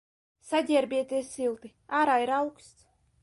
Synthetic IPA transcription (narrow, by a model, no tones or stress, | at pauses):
sadʲɛɛɾbʲiɛt̪ʲiɛsilˠt̪i | aːɾaːiɾawkst̪s